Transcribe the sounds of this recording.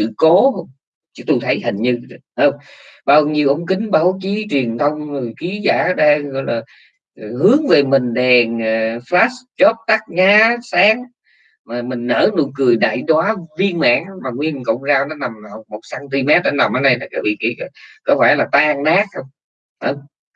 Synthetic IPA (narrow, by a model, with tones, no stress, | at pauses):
sɨ̰˧˨ko˨˦hə˧wŋ͡m | t͡ɕɨ˧˦˥t̪u˧jt̪ʰə˨˦jhï˨˩ŋ̟ɲɨ˧˨həː˧wŋ͡m | ɓaː˧wɲi˧əwʔə̰˧˥wŋ͡mkï˨˦ŋ̟ɓaː˨˧˥wt͡ɕi˨˦t͡ɕwi˨˩ənt̪ʰə˧wŋ͡mxi˨˦za̰ː˧˩ɗaː˧ɣɔ̰˧˨jlaː˨˩˨ | hɨ˨˦əŋve˨˩mï˨˩ŋ̟ɗɛ˨˩ŋː˨˩flaː˦˥st͡ɕɔ˦˥p̚t̪a˦˥k̚ɲaː˨˦saː˨˦˥ŋ | maː˨˩mï˨˩ŋ̟nəː˧˩nu˧˩əkɨ˨˩əjɗa̰ː˧˨jɗwaː˨˦vi˧ənma̰ː˧˥nmaː˨˩ŋwi˧ə˨kə̰˧˩wŋ͡mzaː˧wnɔ˨˦na˨˩mha˨˩wk͡p̚mo˨˩t̚saː˧nt̪i˧mɛ˦˥t̚ɗɔ˨˦na˨˩mʔaː˨˦ɗə˧jt̪ʰa˨˩ka̰ː˧˨˩vḭ˧˨˩kḭ˧˩˧kɔ˨˦faː˧˩laː˨˩t̪aː˧ŋnaː˦˥k̚hə˧wŋ͡m | həː˧wŋ͡m